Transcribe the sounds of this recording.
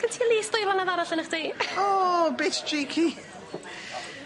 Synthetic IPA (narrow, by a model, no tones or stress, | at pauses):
kʰəntʰiːlˠiːsdʊjvanaðaɾaɬənəχd̥iːoːbɪtdriːkʰi